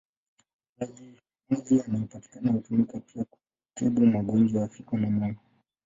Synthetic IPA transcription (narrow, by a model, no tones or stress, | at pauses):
azi | uzianaupati̥kanahutumikapʰiaku̥ | tɛɓumaɡɔnd͡ʒɔafikɔnamanɔ